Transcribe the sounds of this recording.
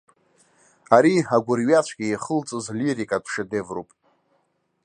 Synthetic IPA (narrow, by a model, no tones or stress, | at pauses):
aɾihaɡʷʊrɥat͡ɕʷʰɡ̥ʲiiχəlt͡sʼɨzliɾikʼadʷʰʂɪdevropʼ